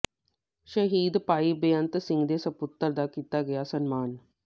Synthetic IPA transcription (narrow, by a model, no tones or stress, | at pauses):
ʃɐɦiːd̪paːibejɐnt̪sĩŋɡd̪eːsɐput̪ːəɾd̪akit̪aɡɐjasɐnmaːn